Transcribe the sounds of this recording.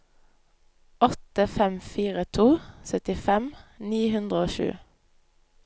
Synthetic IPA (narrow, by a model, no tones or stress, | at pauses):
ɔt̪əfɛmfiːʁət̪ʰuːsœt̪ɪfɛmniːhʉnd̪ʁəoːʃʉ̰ː